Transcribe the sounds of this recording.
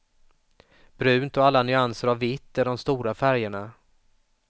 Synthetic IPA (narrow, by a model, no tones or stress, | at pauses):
b̥ɾʉ̟ːnt̪ɔalːanʏansəɾavːɪt̪ːæɖɔmst̪uːɾafæɾjəɳa